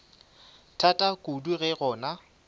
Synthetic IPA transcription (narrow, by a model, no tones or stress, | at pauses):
tʰatʼakʼuduɣɛɣɔːna